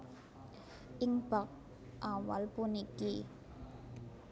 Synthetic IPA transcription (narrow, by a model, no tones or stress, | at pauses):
ʔɪŋb̥ak̚ | ʔawa̰lpuniki